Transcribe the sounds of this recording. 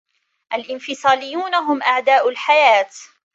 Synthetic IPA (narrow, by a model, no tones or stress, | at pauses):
ʔalʔɪnfɪsˤɑːlɪjːuːnaɦʊmʔaʕd̪aːʔʊlħajaːt̪